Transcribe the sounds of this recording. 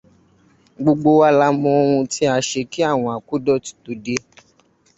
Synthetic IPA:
ɡ͡bo˧ɡ͡bo˧wa˧˦la˧mɔ̃˧˦o˧ɾũ˧ti˦a˧ʃe˧ki˦a˦˨w̃ɔ̃˨˧a˨ku˦dɔ˦ti̥˨˦to˨de˧

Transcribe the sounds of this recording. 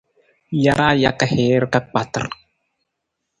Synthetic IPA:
ja˦ɾa˦ja˦ka˦he˨˦ɾka˦k͡pa˨t̪ə̰˨ɾ

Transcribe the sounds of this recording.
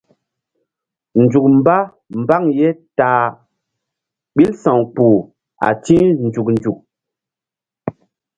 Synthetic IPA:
n˨d͡ʒu˨k̚m˦ba˦ | m˨ba˦˨ŋjɛ˦taː˨ | ɓi˦lsã˨ŋk͡pu˨ | a̰˨tĩ˦n˨d͡ʒu˨k̚nd͡ʒu˨k̚

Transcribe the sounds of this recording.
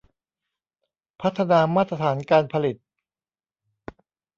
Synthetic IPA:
pʰa˦˥t̪ʰːa˧naː˧maː˥˩t̪ːɾa˧t̪ʰaː˩˦nkaː˧npʰa˧li˨˩t̪̚

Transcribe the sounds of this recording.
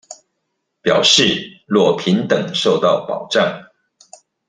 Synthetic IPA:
pjɑ˨˩ʊʂɻ̩˥˩lwɔ˥˩pʰi˧˥nt̪ɤ˨˩ŋʂo˥˧ʊt̪ɑ˥˩ʊpɑ˨˩ʊʈ͡ʂɑ˥˩ŋ

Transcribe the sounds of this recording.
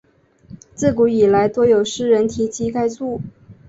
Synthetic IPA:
t͡sɹ̩˥˩ku˧˥i˨˩la˧˥ɪt̪wɔ˥jo˨˩ʊʂɻ̩˥ɻə˧˥nt̪ʰi˧˥t͡ɕʰi˧˥ka˥ɪt͡su˥˩

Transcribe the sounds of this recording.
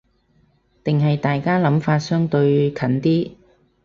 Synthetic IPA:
t̪ɪ˨ŋɦɐ˨jt̪aː˨jkaː˥lɐ˨˥mfaː˧t̚sœː˥ŋt̪ɵ˧ɥkʰɐ˨˥nt̪iː˥

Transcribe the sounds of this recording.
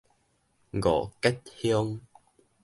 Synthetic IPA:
ɡɔ̰˨kɛ˦t̚hjɔ˦ŋ

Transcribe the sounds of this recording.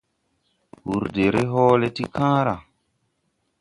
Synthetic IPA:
hu˨ɾde˨ɾe˦ɦɔː˦le˦ti˦kãː˦ɾa˨

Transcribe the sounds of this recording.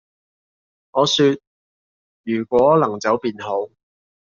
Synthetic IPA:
ŋɔː˨˧syː˧t̚ | jyː˨˩kʷɔː˨˥lɐ˨˩ŋt͡sɐ˨˥wpiː˨˧nɦo˨˥w

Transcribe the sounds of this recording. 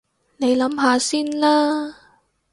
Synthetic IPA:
ne˨˧jlɐ˨˥mɦaː˨˧siː˥nlaː˥

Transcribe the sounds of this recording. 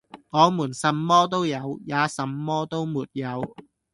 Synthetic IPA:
ŋɔː˨˧muː˨˩nsɐ˨˥mːɔː˥t̪o˥wjɐ˨˧wjaː˨˧sɐ˨˥mːɔː˥t̪o˥wmuː˨t̚jɐ˨˧w

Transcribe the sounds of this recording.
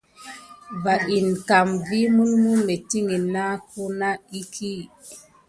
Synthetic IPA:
ba˨ʔi˨nka˨mvi˦mu˦lmu˦me˨ti˦ŋi˨na˦ku˦na˦i˦kʰi˦

